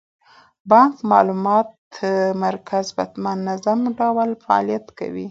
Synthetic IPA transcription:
bɑŋkmɑ̰lumɑt̪ː | əmaɾkʰazba̰t̪manːazamɖawalfaɑ̰lijat̪ka̰wḭ

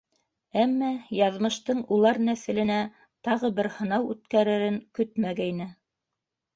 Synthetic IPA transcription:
æmːæjɑðmɤ̆ʃt̪ɤɴulˠɑɾnæθɘ̆lɘ̆næ | t̪ɑʁɤbɘɾhɤ̆nɑwʉt̪kæɾɘ̆ɾɘŋkɵt̪mæɡæjnɘ

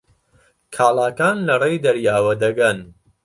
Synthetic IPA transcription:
kʰaːlaːkaːnlɐrejd̪ɐɾjaːwɐd̪ɐɡɐn

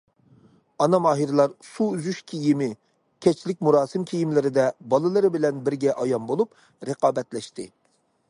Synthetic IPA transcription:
ɑnɑmɑːɦiɾlˠɑɾsuyzyʃkʲʰijimɪ | kʲʰɛt͡ʃʰlɪk̚ʲmuɾɑːsɨmkʲʰijimlɪɾɪd̪ɛbɑlˠɨlˠɨɾɪbɪlɛnbɪɾɡʲɛʔɑjɑmbolˠup | ɾəqɑːbɛt̪lɛʃt̪ɪ

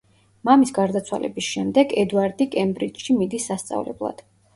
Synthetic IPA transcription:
mamisɡaɾd̪at̪sʰwa̰lʔɛ̰bisʃɛmd̪ɛɡɛd̪aɾd̪ikʼɛmbɾit͡ʃʃimid̪isːast̪sʼa̰vlɛ̰blˠa̰d̪̥

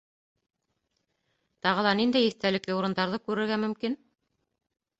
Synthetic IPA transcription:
t̪ɑʁɤ̆lˠɑnind̪æjiθt̪ælɘ̆klɘuɾɤ̆nd̪ɑɾðɤkʉɾɘ̆ɾɡæmɵ̆mkin

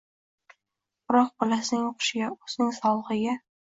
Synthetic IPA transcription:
ʊɾɒq̚bɒlasɪnɪŋoqʰʊ̥ʃɪɡʲaʊz̥nɪŋsɒlˠʁɨɡʲa

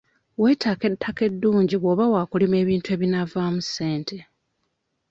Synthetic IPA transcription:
we̞ːtʰaːke̞tʰːake̞dːuːɲɟiβoːβawaːkulime̞ːβiːntuwe̞ːβinavamuse̞ːntʰe̞

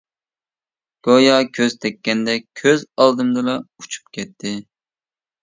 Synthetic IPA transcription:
ɡ̥ojɑkʲʰøzt̪ʰɛkʲːɛnd̪ɛkʲʰøzɑlˠd̪ɨmd̪ɨlˠɑut͡ʃʰu̥p̚kʲʰɛt̪ʰːɪ

